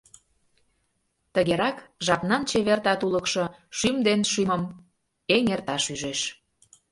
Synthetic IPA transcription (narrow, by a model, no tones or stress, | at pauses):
t̪əɣeɾɑkʒɑpnɑnt͡ɕeβert̪ɑt̪uləkʃɤ̆ʃymd̪enʃyməm | eŋert̪ɑʃyʒeʃ